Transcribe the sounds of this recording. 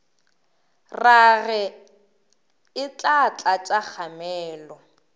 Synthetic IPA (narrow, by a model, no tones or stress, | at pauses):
raɣɛ | ɪt͡ɬʼat͡ɬʼat͡ʃʼak͡xʰamɛːlɔ